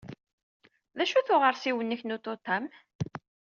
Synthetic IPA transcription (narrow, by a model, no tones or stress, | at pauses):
ðæʃuθʊʁəɾsiwənːiçnut̪ˤːot̪ˤːɑm